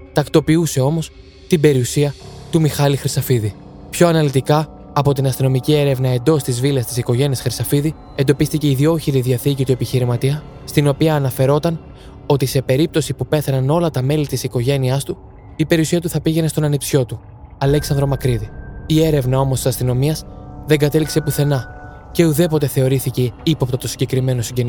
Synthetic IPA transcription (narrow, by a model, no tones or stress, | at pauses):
t̪ɐkt̪o̞piuse̞o̞mo̞s | t̪ibe̞ɾiusiɐt̪umixɐlixɾisɐfiði | pço̞ɐnɐlit̪ikɐ | ɐpo̞t̪inɐst̪ino̞micie̞ɾe̞vnɐe̞nd̪o̞st̪izvilɐst̪isiko̞ʝe̞niɐsxɾisɐfiði | e̞nd̪o̞pist̪ice̞iðio̞çiɾiðiɐθicit̪ue̞piçiɾimɐt̪iɐ | st̪ino̞piɐːnɐfe̞ɾo̞t̪ɐn | o̞t̪ise̞pe̞ɾip̚t̪o̞sipupe̞θɐnɐno̞lɐt̪ɐme̞lit̪isiko̞ʝe̞niɐst̪u | ipe̞ɾiusiɐt̪uθɐpiʝe̞ne̞st̪o̞nɐnipsço̞t̪u | ɐleksɐnd̪ɾo̞mɐkɾiðiie̞ɾe̞vnɐo̞mosisɐst̪ino̞miɐsðeŋɡɐt̪e̞likse̞puθe̞nɐ | ce̞uðe̞po̞t̪e̞θe̞o̞ɾiθiceipo̞pt̪ɐt̪o̞siɲɟe̞kɾime̞no̞siɲɟen